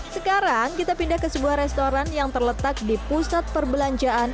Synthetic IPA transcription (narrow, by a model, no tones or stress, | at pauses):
səkaɾaŋkit̪apindahkəsəbuahɾɛst̪oɾanjaŋt̪ərlət̪ak̚dipusat̪̚pərbəlaɲd͡ʒaan